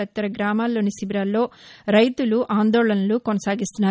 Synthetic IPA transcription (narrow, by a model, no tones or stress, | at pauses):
ɐt̪ːɐɾɐɡɾaːmaːlːo̞ːnisibɾaːlːo̞ːɾɐjt̪uluʔaːnd̪ɔːɭɐnɐlukonɐsaːɡist̪unːaː